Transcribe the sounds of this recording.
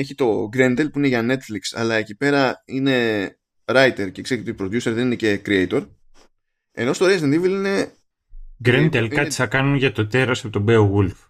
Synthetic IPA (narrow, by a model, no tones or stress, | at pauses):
e̞çit̪o̞ɡɾend̪e̞lpuine̞ʝɐne̞t̪fliksɐ̰lɐecipe̞ɾɐine̞ | ɾɐjt̪e̞ɾcekse̞it̪oipɾoðjuse̞ɾðe̞nine̞ce̞kɾiejt̪o̞ɾ | e̞̰no̞st̪o̞ɾezend̪iveline̞ | ɡɾend̪elkɐt̪i̥sɐkɐnunʝɐt̪o̞t̪e̞ɾɐsepot̪o̞beoɣulf